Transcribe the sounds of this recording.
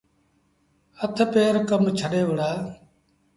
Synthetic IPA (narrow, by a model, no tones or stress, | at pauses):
ət̪ʰpeːɾkəmt͡ʃʰəɗeːʋəɽaː